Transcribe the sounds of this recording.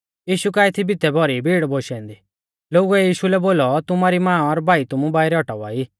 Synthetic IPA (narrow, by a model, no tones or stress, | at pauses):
jiːʃukaːɛt̪ʰibɪt̪ɛbʱɔɾibʱiːɽboːʃɛ̃ːnd̪iː | loːɡuɛjiːʃulɛboːlɔt̪ʊmaɾimãːɔɾbʱaːit̪ʊmũbaːiɾɛɔʈaua̰ːiː